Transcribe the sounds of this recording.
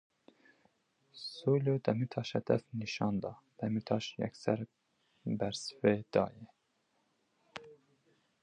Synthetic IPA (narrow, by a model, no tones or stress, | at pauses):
solod̪ɛmit̪ʰɑʃɛd̪ɛ̰fniʃɑnd̪ɑd̪̥ɛmit̪ʰɑʃjɛ̰ksæɾ | bæɾsveːd̪̥ɑ̰ːjɛ